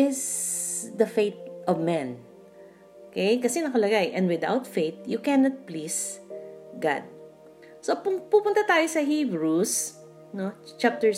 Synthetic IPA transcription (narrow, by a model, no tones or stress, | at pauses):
ɪs | d̪ɐfejt̪̚ʔɔvmɛ̃n | okɛjkɐsɛnɐkɐlɐɡajʔɛ̃nd̪wɪd̪a̰wt̪fejt̪̚jʊkɛnɐt̪̚pliːs | ɡa̰d̪̚ | sopʊpupʊnt̪at̪aːjosɐɦibɹus | not͡ʃap̚t̪ɛɹ